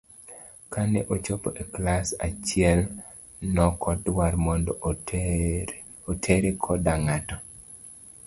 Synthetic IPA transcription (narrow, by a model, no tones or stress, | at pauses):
kaneʔot͡ʃopo̰ʔeklasat͡ʃɪɛl | nɔkʰɔdwarmɔndɔ | otʰeɾekʰɔdaŋatɔ